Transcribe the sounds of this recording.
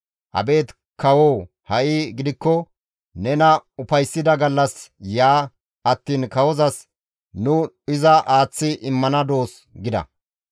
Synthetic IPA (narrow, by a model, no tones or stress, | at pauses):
ʔɐ̰be̞ːt̪ | kɐwoː | hɐʔiɡɪd̪ɪkːɔ | nɛnɐʊfɐjsːɪd̪ɐɡɐlːɐsjaː | ɐt̪ːiːnkɐwɔzɐs | nʊ | ɪzɐʔaːt͡sːɪʔɪmːɐnɐd̪o̞ːs | ɡɪd̪ɐ̰